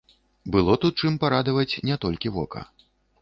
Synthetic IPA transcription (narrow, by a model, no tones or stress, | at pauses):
bɨlˠɔt̪ut̪̚t͡ʂɨmpaɾad̪ɐvɐt͡sʲnʲɛt̪ɔlʲkʲivɔ̰kɐ̰